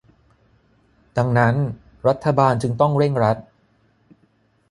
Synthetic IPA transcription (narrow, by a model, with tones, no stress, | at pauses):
da˧ŋna˦˥n | ɾa˦˥t̪ʰːa˧baː˧nt͡ɕɯ˧ŋt̪ɔ˥˩ŋɾe˥˩ŋɾa˦˥t̪̚